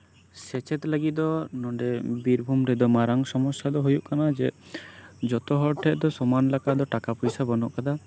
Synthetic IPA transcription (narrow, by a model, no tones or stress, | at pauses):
sɛt͡ʃɛt̪ləɡid̪ɔnɔɖɛbiɾbʱumɾɛd̪ɔmaɾaŋsɔmɔsjad̪ɔɦujuʔkanad͡ʒɛ | d͡ʒɔt̪ɔɦɔɾʈʰɛʔ̪̚d̪ɔsɔmanlakad̪ɔʈakapujsabɔnɔʔkad̪a